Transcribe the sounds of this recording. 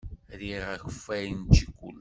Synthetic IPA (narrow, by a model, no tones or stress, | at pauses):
ɾiʁæçə̥fːæjnt͡ʃikʷːṵl